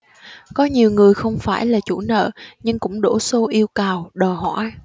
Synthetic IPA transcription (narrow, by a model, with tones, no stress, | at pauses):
kɔ˨˦ɲi˨˩wŋɨ˨˩əjxə˧wŋ͡mfaː˧˩jlaː˨˩t͡ɕṵ˧˥nə̰ː˧˨ɲɨ˧ŋkʊ̰˧˥ŋ͡mɗo˧˥so˧ʔi˧əwkaː˨˩wɗəː˨˩ɦɔ̰˧˥˨j